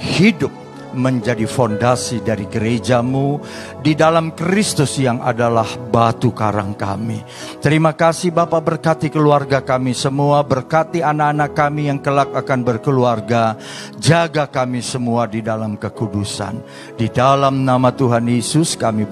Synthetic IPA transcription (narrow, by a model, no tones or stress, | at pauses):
hidʊp̚ | məɲd͡ʒadifondasidaɾiɡəɾed͡ʒamu | didalamkɾist̪ʊsjaŋa̰dalahbat̪ukaɾa̰ŋka̰mḭ | t̪əɾimakasihbapabərkat̪ikəluarɡakamisəmuabərkat̪ianaːnakːamijaŋkəlak̚akanbərkəluarɡa | d͡ʒaɡakamisəmuadidalamkəkudusa̰n | didalamnamat̪uɦanjesʊskami